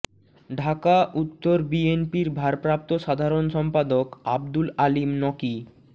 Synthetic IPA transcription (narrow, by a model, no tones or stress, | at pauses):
ɖʱakaʔut̪ːoɾbienpiɾbʱaɾpɾap̚t̪oʃad̪ʱaɾonʃɔmpad̪okab̚d̪ulalimnɔki